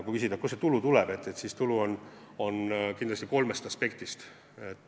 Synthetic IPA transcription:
kukysid̪ɑkuset̪ulut̪ulɛb̥e̞t̪ːe̞t̪sist̪uluon | o̞nkind̪lɑsʲt̪iko̞lmest̪ɑspe̞kt̪ist̪ | et̪ːˑ

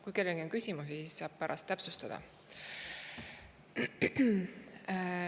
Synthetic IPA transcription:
kujke̞lːeɡio̞nkysʲimusisissɑːb̥̚pæɾʔɑ̰st̪ːæpsust̪ɑd̪̥ɑ̰

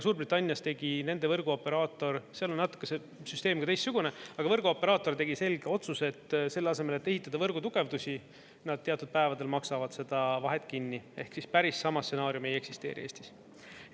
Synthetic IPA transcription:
suːɾbrit̪ːˑɑnʲːjɑst̪eɡ̥ine̞nd̪̥e̞vɤrɡ̥uo̞pːe̞ɾɑːt̪ːo̞rseɑlonnɑt̪ːˑu̥kːˑese | syst̪e̞ːmkɑt̪ejst̪suɡ̥une̞ɑɡ̥ɑvɤ̞rɡuo̞pːe̞ɾɑːt̪ːˑo̞rt̪e̞ɡise̞lɡ̥eo̞t̪suse̞t̪ːse̞lːɑse̞me̞let̪ːe̞ɦit̪ːˑɑd̪̥ɑvɤrɡ̥ut̪uɡ̥e̞vd̪usʲi | nɑd̪̚t̪e̞ɑt̪ːˑud̪̥̚pæe̞vɑd̪e̞lmɑksɑvɑd̪se̞d̪̥ɑvɑɦe̞t̪ːˑkinːie̞hksispæɾisːɑmɑstːse̞nɑːɾjumeje̞ksist̪e̞ːɾḭeːst̪i̥s

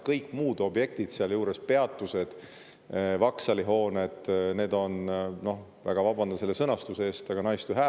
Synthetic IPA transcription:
kɤjkːmuːd̪o̞bje̞k̚t̪id̪̥seɑljuːɾe̞spe̞ɑt̪ːˑuse̞d̪̥ | vɑksɑliɦo̞ːne̞d̪̥ne̞ːd̪̥o̞nno̞h | væ̰ɡ̥ɑvɑbɑnd̪ɑselːesɤnɑst̪useeːst̪ɑɡ̥ɑnɑjst̪uɦæː

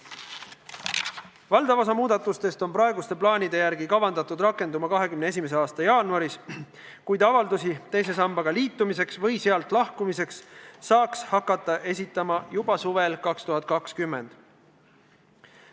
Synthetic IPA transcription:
vɑld̪ɑvos̬ɑmuːd̪̥ɑt̪ːˑust̪e̞st̪o̞nprɑeɡust̪e̞plɑːnʲid̪e̞jæɾɡikɑvɑnd̪ɑt̪ːˑud̪rɑkːˑe̞nd̪umɑkɑɦe̞kymneesime̞s̬e̞ɑːst̪ɑjɑːnuɑɾis | kujd̪ɑvɑld̪usit̪e̞js̬e̞sɑmbɑɡɑliːt̪ːˑumise̞ksvɤ̞jseɑlt̪ˑlɑhkumise̞ksːɑːkshɑkːˑɑt̪ːˑɑʔe̞sit̪ːˑɑmɑjub̥ɑsuve̞lkɑkst̪uɦɑt̪̚ˑkɑkskymːe̞̰nd̪̥

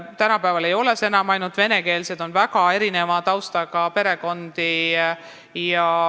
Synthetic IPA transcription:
t̪ænɑpæevɑle̞jo̞le̞se̞nɑmɑjnud̪̥ve̞ne̞ke̞ːlse̞d̪̥o̞nvæɡɑe̞ɾine̞mɑt̪ɑwst̪ɑɡ̥ɑpe̞ɾe̞ko̞nd̪̥i | jɑ

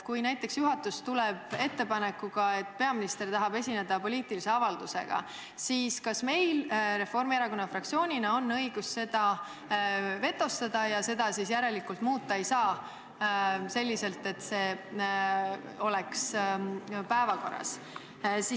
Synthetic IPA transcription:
kujnæjt̪ːˑe̞ksjuɦɑt̪ːust̪ulɛb̥e̞t̪ːe̞pɑne̞kːˑuɡ̥ɑe̞t̪ːˑpe̞ɑminist̪ert̪ɑɦɑbe̞sʲine̞d̪̥ɑpo̞lʲiːt̪ˑilise̞ɑvɑld̪̥use̞̰ɡ̥ɑ̰ | siːskɑsme̞jlɾe̞fo̞rmieɾɑko̞nːɑfrɑk̚t̪sio̞ːnʲinɑo̞nːɤ̞jɡ̥usse̞d̪̥ɑ | ve̞t̪ːˑo̞st̪ɑd̪̥ɑjɑse̞d̪̥ɑsisjæɾe̞likult̪muːt̪ˑːɑejsɑː | se̞lʲːise̞lt̪e̞t̪se̞ː | o̞le̞ks | pæevɑko̞̰rːɑ̰s | si

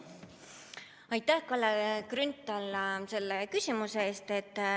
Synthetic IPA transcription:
ɑjt̪ːˑæhkɑlːekrynt̪ːˑɑlːse̞lːekysʲimuseeːst̪e̞t̪ːˑ

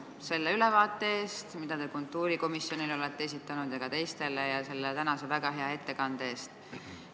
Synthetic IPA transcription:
se̞lːeylevɑːt̪ːˑe̞eːst̪mid̪̥ɑt̪e̞kunt̪ːˑuːɾiko̞misjo̞nilo̞let̪ːeesit̪ːˑɑnud̪̥jɑɡ̥ɑt̪e̞jst̪e̞lejɑse̞lːet̪ænɑse̞væɡ̥ɑɦe̞ɑe̞t̪ːe̞kɑnd̪̥e̞ːst̪

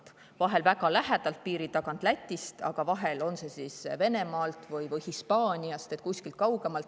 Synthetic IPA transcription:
vɑɦe̞lvæɡɑlæɦæd̪̥ɑlt̪̚piːɾit̪ːɑkɑnt̪læt̪ʲːˑist̪ɑ̰ɡ̥ɑvɑɦe̞lo̞nse̞sisve̞ne̞mɑːlt̪vɯjvɯjhispɑːnʲiɑst̪e̞t̪̚ˑkusʲkilt̪̚kɑwɡ̥e̞mɑlt̪

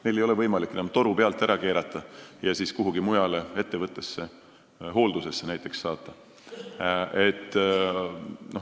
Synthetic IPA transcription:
ne̞jle̞jo̞levɤjmɑlikːˑnæmt̪o̞ɾupe̞ɑlt̪ːˑæɾɑke̞ːɾɑt̪ːˑɑjɑsiːskuɦuɡimujɑlee̞t̪ːe̞vɤt̪ˑːe̞sːe̞ | ɦo̞ːld̪use̞sːenæjt̪ːˑe̞ksːɑːt̪ˑːɑ | e̞t̪ːˑ | no

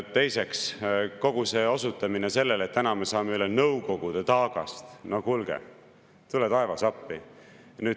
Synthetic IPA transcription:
t̪ːe̞jse̞ksko̞ɡ̥use̞ːo̞sut̪ːˑɑminese̞lːelet̪̚ːænɑmesɑːmeylːenɤwko̞ɡ̥ud̪̥et̪ɑːɡ̥ɑst̪noɡhulɡ̥ḛ | t̪ulet̪ɑevɑsɑpːi | ny̥ː

